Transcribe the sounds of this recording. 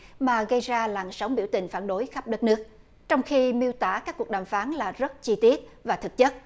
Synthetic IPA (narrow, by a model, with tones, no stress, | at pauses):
maː˨˩ɣə˧jzaː˧laː˨˩nsə˨˦wŋ͡mɓḭ˧˩əwt̪ï˨˩ŋ̟faː˧˩nɗo˨˦jxa˦˥p̚ɗə˦˥t̚nɨ˦˥ək̚ | t͡ɕɔ˧wŋ͡mxi˧mi˧əwt̪aː˧˩kaː˦˥kːu˨˩ək̚ɗaː˨˩mfaː˨˦nlaː˨˩zə˦˥t̚t͡ɕi˧t̪i˦˥ət̚vaː˨˩t̪ʰɨ˨˩k̚ɲə˦˥t̚